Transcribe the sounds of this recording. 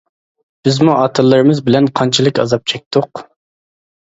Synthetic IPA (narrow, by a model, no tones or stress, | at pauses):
b̥ɪzmuʔɑt̪ʰɨlˠːɨɾɨmɨzbɪlɛnqʰɑnt͡ʃʰilˠɨkʲɑzɑp̚t͡ʃʰɛk̚ʲt̪ʰʊq